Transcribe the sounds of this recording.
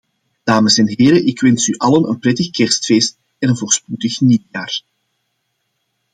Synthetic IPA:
d̥aːməsɛnɦeːɾəʔɪkʋɛnsyʔɑlənənprɛtəxkɛrstfeːst̚ | ɛnənvoːrspudəxnijaːr

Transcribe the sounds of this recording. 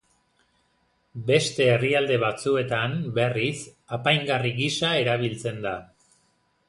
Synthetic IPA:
be̞st̪e̞ːriald̪e̞β̞at͡sue̞t̪ambe̞risapajŋɡariɣisae̞ɾaβ̞ilt͡se̞nd̪a

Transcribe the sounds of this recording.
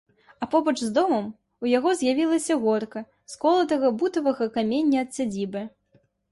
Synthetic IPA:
ɐpɔbɐt͡ʂzd̪ɔmɐm | ujaɣɔzʲjavʲilˠɐsʲɐɣɔɾkɐ | skɔlˠɐd̪ɐɣɐbut̪ɐvɐɣɐkamʲenʲːɐːt̪sʲad͡zʲibɨ

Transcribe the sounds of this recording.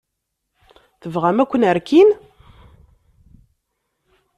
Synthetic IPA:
θəvʁæmækʷːənəɾkin

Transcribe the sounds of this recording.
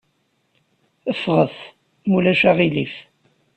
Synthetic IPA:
əfːʁəθ | mulæʃaʁilif

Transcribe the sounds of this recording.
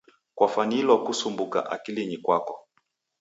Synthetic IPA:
kwafanilwɔkusumbuka̰ʔa̰kiliɲikwakɔ

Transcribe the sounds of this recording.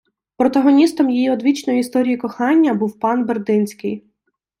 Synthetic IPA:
pɾɔt̪ɐɦɔnʲist̪ɔmjijiɔd̪ʋʲit͡ʃnɔjʊist̪ɔɾʲijikɔxɑnʲːɐbuwpɑnberd̪ɪnʲsʲkɪ̰j

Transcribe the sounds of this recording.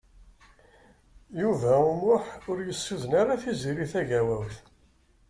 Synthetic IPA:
juvæumʊħʊɾjəsːuðənaɾaθiziɾiθæʝæwæwθ

